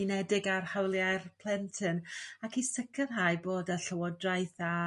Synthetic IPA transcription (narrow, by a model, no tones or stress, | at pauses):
inɛdɪɡarhawlˠjajrpʰl̥ˠɛntʰɨnakisəkʰərɦaɨboːdəɬəwɔdrajθa